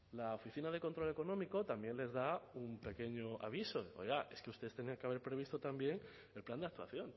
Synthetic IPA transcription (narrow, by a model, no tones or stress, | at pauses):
laofiθinaðe̞ko̞nt̪ɾo̞le̞ko̞nõmiko̞t̪ambje̞nle̞zðaumpe̞ke̞ɲo̞ʔa̰β̞iso̞o̰jɣaʔe̞skust̪e̞est̪eniaŋkeaβe̞ɾpɾe̞β̞ist̪ot̪ambje̞ŋ | e̞lpland̪eak̚t̪wa̰θjo̞n